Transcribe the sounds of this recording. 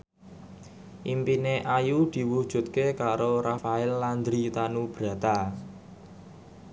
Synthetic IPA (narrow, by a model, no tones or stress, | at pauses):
ʔimpineʔajud̪̥i̤wud̥ʒ̥ṳt̪̚kekaɾoɾafaɪlːand̪ɾit̪anub̥ɾä̤t̪a